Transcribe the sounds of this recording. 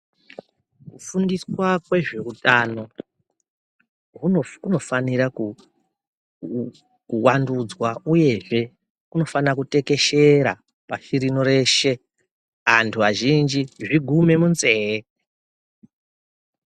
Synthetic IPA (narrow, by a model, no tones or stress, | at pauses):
kufundiswakwe̞ʐerutʼano̞ | ɦuokuno̞faniɾaku | kuwandud͡zwauje̞ʐe̞ | kuno̞fanirakute̞ke̞ʃe̞ɾa̰ | paʃiɾino̞ɾe̞ːʃe̞ | antʰuʋaʒind͡ʒiʐiɡʱume̞munzeːe